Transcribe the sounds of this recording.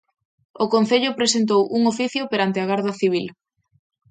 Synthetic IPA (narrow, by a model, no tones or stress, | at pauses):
okonθeʎʊpɾesent̪owʔuŋofiθjopeɾant̪ɪaɣaɾðɐθiβ̞il